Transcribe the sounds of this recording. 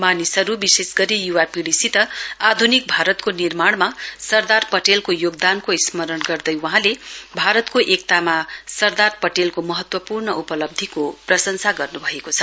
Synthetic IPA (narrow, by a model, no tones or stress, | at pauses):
manisʌɾubisesɡʌɾijuwapiɽisit̪ʌad̪ʱunik̚bʱaɾʌt̪konirmaɽmasʌrd̪arpʌʈelkojoɡd̪ankoismʌɾʌnɡʌrd̪ʌjwʌɦãlebʱaɾʌt̪koʔek̚t̪amasʌrd̪arpʌʈelkomʌɦʌt̪wʌpurɳʌupʌlʌb̚d̪ʱikoprʌsʌnsʰaɡʌrnubʱʌekot͡sʰʌ̥